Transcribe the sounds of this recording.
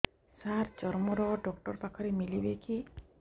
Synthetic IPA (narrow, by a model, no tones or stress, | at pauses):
saɾd͡ʒɔɾmɔɾɔɖɔkʈɔɾpakʰɔɾemilibeki